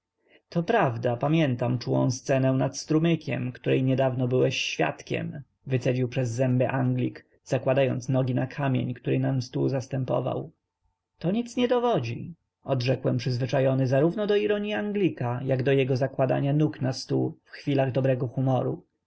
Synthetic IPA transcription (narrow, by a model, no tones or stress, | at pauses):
t̪ɔpɾavd̪apamʲjɛnt̪amt͡ʂuwɔ̰̃st̪sɛnɛw̃nat̪st̪ɾumɘkʲʰɛ̰mkt̪uɾɛjɲɛd̪avnɔbɘwɛɕːfʲja̰t̪kʲɛ̰m | vɘt̪sɛd͡ʑiwpʂɛzːɛmbɛʔaŋɡlʲik | z̥akwad̪ajɔnt̪snɔɡʲinakʰamʲjḛɲkt̪uɾɛnamst̪uzast̪ɛmpɔ̰va̰w | t̪ɔɲit̪sɲɛd̪ɔvɔd͡ʑḭ | ɔd̪ʐɛkwɛmpʂɘzvɘt͡ʂajɔnɘzaɾuvnɔd̪ɔiɾɔɲiaŋɡlʲikajaɡd̪ɔjɛɡɔzakwad̪a̰ɲanuknast̪ufxfʲilaɣd̪ɔbɾɛɡɔxumɔɾṵ